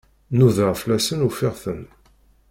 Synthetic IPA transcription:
nuðəʁflæsənufɪʁθən

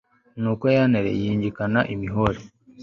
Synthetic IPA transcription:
nuːko̞janeɾḛjiːɲɟikanaʔimiɦoɾe

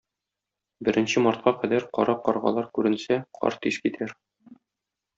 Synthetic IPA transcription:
bɘ̆ɾʔɘ̆nɕɘmɑɾt̪̚qɑqæd̪æɾqɒ̰ɾɑqɒɾʁɑ̰lˠɑɾkʉɾɘ̆nsæqʰɒ̰ɾt̪iʃkit̪ʰæɾ

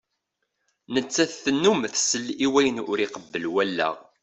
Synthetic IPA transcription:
nət͡sːæθθənːumθsəlːiwæjənʊɾiqəbːəlwælːæ̰ʁ

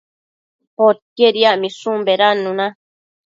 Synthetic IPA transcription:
pot̪̚keɾiaʔmĩsũmbeɾanũnã

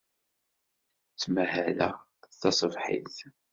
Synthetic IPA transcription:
t͡sːmæhælæ̰ | θɑsˤəvħḭθ

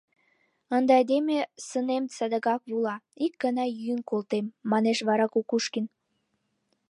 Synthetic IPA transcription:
ənd̪ɑɑd̪emesənemt͡səd̪əɣɑkβulɑik̚ɡənɑjynkolt̪emːɑneʃβɑɾɑkukuʃkin

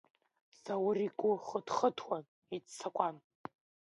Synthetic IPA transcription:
z̥awʊrikʷʼʊχədχətʰwan | itt͡sʰakʷʼan

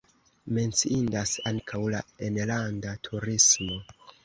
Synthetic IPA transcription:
me̞nt͡siindasaŋkʰawlaenlandatʰuɾismo̞

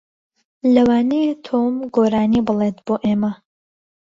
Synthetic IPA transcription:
lɐwaːnet̪ʰoːmɡoːɾaːniːbɨlet̪boːʔeːmɐ

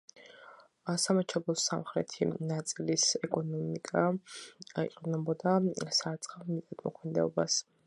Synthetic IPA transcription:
asamat͡ʃʰɔbɔsa̰mχɾɛ̰t̪ʰḭnat̪sʼilisɛkʼɔnɔmikʼa | ḭqʼinɛbɔd̪asaɾt̪sʼχʼavmit̪ʼat̪ʰmɔkʰmɛd̪ɛɔbas

